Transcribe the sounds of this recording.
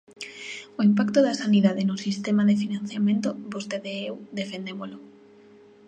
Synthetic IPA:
oimpakt̪oðasaniðaðenosist̪emaðefinãn̟θjamẽnt̪obost̪eðeewd̪efend̪emolo

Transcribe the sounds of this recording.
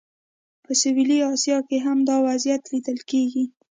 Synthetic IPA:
pəsɪwiliɑsjɑkeɦamd̪ɑwazjat̪lid̪əlkeɡi

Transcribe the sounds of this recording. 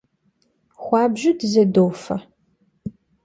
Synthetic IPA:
χʷɑːbʒɪdzɐdoːfɐ

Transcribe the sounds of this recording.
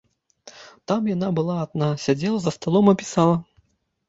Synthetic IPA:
t̪amjanabɨlˠaːd̪nasʲad͡zʲɛlˠɐzɐst̪alˠɔmɐpʲi̥salˠɐ

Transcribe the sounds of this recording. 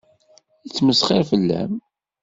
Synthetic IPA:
it͡sːməsχɪɾfəlːæ̰m

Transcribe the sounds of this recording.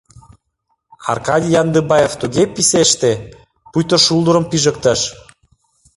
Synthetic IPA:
ɑ̰rkɑd̪ʲijɑnd̪əbɑjeft̪uɣepiseʃt̪e | pujt̪oʃulˠd̪əɾəmpiʒə̆k̚t̪ə̆ʃ

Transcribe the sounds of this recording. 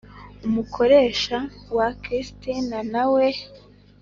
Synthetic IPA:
umukʰo̞ɾe̞ːʃawakɾistinanawe

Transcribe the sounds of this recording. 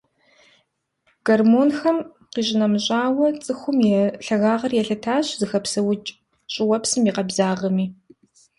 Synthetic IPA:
ɡ̥ɐrmoːnxɐm | qiːɕʼɪnɐmɕʼaːwɐt͡sʼɨxʷʊmjɛɬɐɣaːʁɐrjɛɬɐtʰaːɕzɨxɐpsɐwʊt͡ʃʼ | ɕʼɪwɐpsɨmiːqɐbzaːʁɐmiː

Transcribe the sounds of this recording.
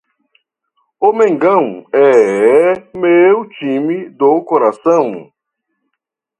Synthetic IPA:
omẽŋɡɐ̃w̃ɛ | mewt͡ʃĩmid̪okoɾasɐ̃w̃

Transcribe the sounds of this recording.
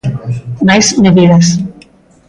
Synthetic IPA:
majzmeðiðas

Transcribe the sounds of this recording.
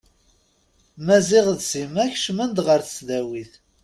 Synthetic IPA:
mæziʁðsimæçʃmənd̪ʁəɾθə̥t͡sðæwiθ

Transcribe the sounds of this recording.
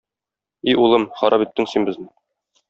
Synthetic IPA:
iulˠɤmχɒɾʔɑpit̪ːɘŋsinbɘ̆znɘ

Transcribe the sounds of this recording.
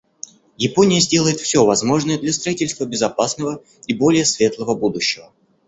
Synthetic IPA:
jɪponʲɪjəzʲdʲe̞lˠəjɪt̪fsʲovɐzmo̞ʐnəjəd̪lʲɐst̪ɾɐitʲɪlʲst̪vəbʲɪzɐpasnəvə | ibo̞lʲɪjəsvʲe̞t̪lˠəvəbud̪ʊɕːɪvə

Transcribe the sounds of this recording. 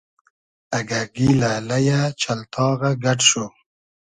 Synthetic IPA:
aɡaɡilalajat͡ʃalt̪ʰɑːɣaɡaʈʂo

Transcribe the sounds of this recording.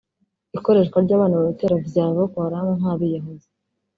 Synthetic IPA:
iko̞ɾe̞ːʃkwaɾɟaːβaːnaβoβiteɾavɟaːβokoɾamonaːβijaɦozi

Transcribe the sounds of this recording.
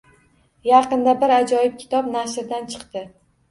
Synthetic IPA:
jɑqɨnd̪abɪɾad͡ʒɒjɪp̚kʲʰɪ̥t̪ʰɒpnaʃɾd̪ant͡ʃʰɨ̥qt̪ɪ

